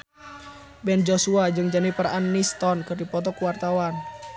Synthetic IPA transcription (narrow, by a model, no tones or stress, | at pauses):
bɛnd͡ʒosuad͡ʒɨŋd͡ʒanipəɾaʔanːist̪ɔnkɨrdipɔt̪̬ɔkuwart̪awan